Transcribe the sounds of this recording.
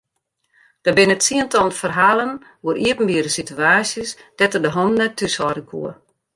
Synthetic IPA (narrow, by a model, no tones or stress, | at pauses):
d̥əbɪnətsiəntɔlˠnfərɦaːlˠən | uəɾiəpn̩biəɾəsityaːsjəsd̥ɛtərdəɦɔnnɛtʰːysɔrdəkʰṵə